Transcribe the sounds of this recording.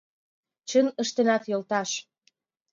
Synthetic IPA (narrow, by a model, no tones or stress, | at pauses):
t͡ɕənə̆ʃt̪enɑt̪jolt̪ɑʃ